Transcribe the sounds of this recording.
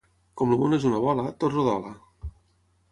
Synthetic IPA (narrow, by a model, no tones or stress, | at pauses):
kɔmluβonezunaβɔlat̪otroðɔ̰la